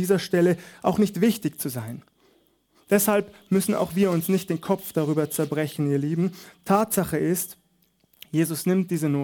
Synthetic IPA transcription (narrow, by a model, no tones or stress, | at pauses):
iːzɐʃtɛləʔaʊxnɪçtv̥ɪçtɪçt͡suzaɪn | d̥ɛshalpmʏsn̩a̰ʊxv̥iːɐʊnsnɪçtd̥eːnkʰɔp͡fd̥aʁyːbɐt͡sɛɐbʁɛçn̩iːɐliːbm̩tʰaːtz̥aχəʔɪst | jeːzʊsnɪmt̚d̥iːzənoː